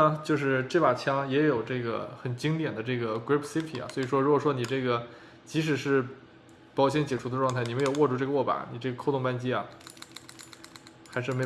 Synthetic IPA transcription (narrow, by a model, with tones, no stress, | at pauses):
ə˧t͡ɕjo˥˧ʊʂ̬ɻ̩˥˧ʈ͡ʂe˥˩pa˨˩t͡ɕʰjɑ˥ŋjɛ˧˥jo˨˩ʊʈ͡ʂɤ˥˩ɡə̰˩xə˨˩nt͡ɕi˥ŋt̪jɛ˨˩nd̪ə˦ʈ͡ʂɤ˥˩ɡə˩kɹi˥pʰsi˥pʰi˨˩ɐ̰˩swɔ˧˥i˨˩ʂwɔ˥ɻu˧˥kwɔ˨˩ʂwɔ˥ni˨˩ʈ͡ʂɤ˥˩ɡə˩ | t͡ɕi˧˥ʂ̬ɻ̩˨˩ʂɻ̩˥˩ | pɑ˨˥˩ʊɕ̬jɛ˥nt͡ɕjɛ˨˩ʈ͡ʂʰu˥d̪ə˧ʈ͡ʂwɑ˥˧ŋʰ˥˩ɪni˨˩m˧˥ɪjo˨˩ʊwɔ˥˧ʈ͡ʂu˥˧ʈ͡ʂɤ˥˩ɡə˧wɔ˥˩pa̰˨˥˦ni˨˩ʈ͡ʂɤ˥˩ɡə˩kʰʊʊ˥˧ŋpa˥˧nt͡ɕi˥ɐ̰˨ | xa˧˥ɪʂ̬ɻ̩˥˩me˧˥ɪ